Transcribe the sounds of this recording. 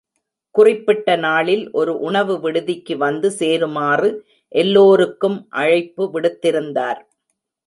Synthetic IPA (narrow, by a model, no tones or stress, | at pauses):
kʊrɪpːɪʈːɐnaːɭɪlʔɔɾɯʔʊɳɐʋɯʋɪɽɯðɪkːɯʋɐnd̪ɯseːɾɯmaːrɯ | ʔɛlːoːɾɯkːɯmʔɐɻɐɪpːɯʋɪɽɯt̪ːɪɾɯnd̪aːɾ